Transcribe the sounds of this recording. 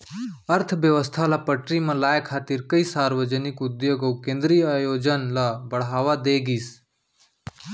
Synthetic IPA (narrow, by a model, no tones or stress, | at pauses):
əɾt̪ʰʋjəʋəst̪ʰalapəʈɾimãlaːjkʰːaːt̪iɾkəisaːɾʋəd͡ʒənɪkʊd̪joɡəwkẽːnd̪ɾiːaːjoːd͡ʒənlabəɽ̤ɦaːʋad̪eːɡiːs